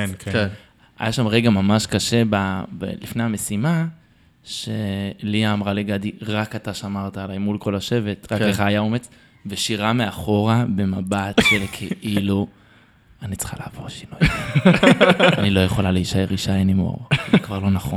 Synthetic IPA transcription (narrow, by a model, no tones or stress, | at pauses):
en | a̰jaʃamʁeɡamamaʃkaʃe̞babḛlifnejamesima | ʃeliaːmʁaliɡadiʁakataʃamaʁtaːlajmulko̞laʃeve̞tʁakeχaːjaomet͡s | veʃiʁameaχo̞ʁabe̞mabatʃelkʰeʔilu | anit͡sχa̰laːvoʃino | anilo̞jeχolaleiʃaeʁiʃainimo̰ʁzikvaʁlo̞naχon